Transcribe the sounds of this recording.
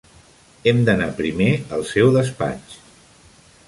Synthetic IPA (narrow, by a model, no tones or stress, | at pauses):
ɛmd̪ənapɾimeəlˠsɛwðəspa̰t͡ʃ